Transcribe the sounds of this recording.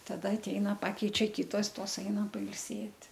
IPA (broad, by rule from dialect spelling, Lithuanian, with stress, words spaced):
tɐˈdɐ ɐtʲˈɛɪnɐ ˈpɑːkʲɛɪt͡ʃʲɛ ˈkʲɪtoːs ˈtoːs ˈɛɪnɐ pɐɪlʲˈsʲeːtʲ